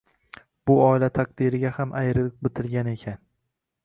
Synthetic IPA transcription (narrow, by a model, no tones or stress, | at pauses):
b̥ʊɒɪlat̪ʰaqd̪iɾɪɡʲahamʔajɾɪlɪk̚bɪt̪ʰɪlɡʲane̞kʲʰan